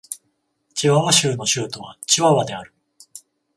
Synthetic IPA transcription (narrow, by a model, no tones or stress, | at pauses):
t͡ɕiβaβaɕɨːno̞ɕɨːt̪o̞βa̰t͡ɕiβaβad̪e̞aɾɯ̟